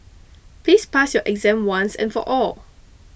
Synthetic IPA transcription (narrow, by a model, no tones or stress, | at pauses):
plispasjɔʔɛɡzɛ̃mwãnsɛ̰̃nfɔʔɔl